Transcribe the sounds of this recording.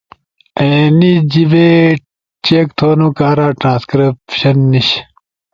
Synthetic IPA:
enid͡ʑibe | t͡ɕeːk̚t̪ʰoːnukaːɾaːʈɾãːskɾipɕɐnːiɕ

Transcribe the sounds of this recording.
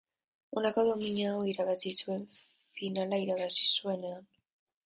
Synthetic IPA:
o̞nako̞ðo̞miɲaoiɾaβasisue̞ɱ | finalaiɾaβasi̥sue̞ne̞an

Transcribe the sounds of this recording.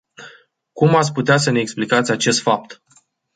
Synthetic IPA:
kumat̪sʲput̪easəneːksplikat̪sʲat͡ʃe̞st̪fap̚t̪

